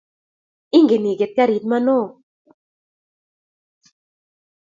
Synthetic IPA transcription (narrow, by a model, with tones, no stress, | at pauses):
ɪ˦ŋɡe˨ni˨ɡe˨t̪̚ka˦ɾi˨t̪̚ma˦no˦˨